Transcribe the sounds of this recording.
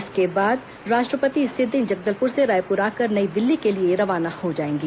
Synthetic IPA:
skebaːd̪ | ɾaːʃʈɾəpət̪isɪd̪ɪ̃nd͡ʒɐɡ̚d̪əlpʊɾseɾaːjpʊɾaːkɐɾnɐid̪ɪlːikelieɾɐʋaːnahod͡ʒaːẽːŋɡiː

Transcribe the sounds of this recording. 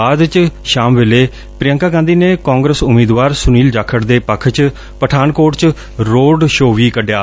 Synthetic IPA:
aːd̪t͡ʃʃaːmʋeːleː | pɾɪjəŋkaːɡãnd̪iːneːkãːŋɡɾəsʊmiːd̪ʋaːɾsʊniːld͡ʒaːkʰːəɾd̪eːpəkʰt͡ʃ | pəʈʰaːnkoːʈt͡ʃ | ɾoːɖʃoːʋiːkəɖjaː

